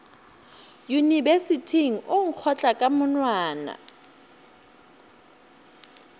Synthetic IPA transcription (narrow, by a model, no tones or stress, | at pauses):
junibesitʰiŋ̩ʔʊŋ̩k͡xʰɔt͡ɬʼakʼamʊnwaːna̰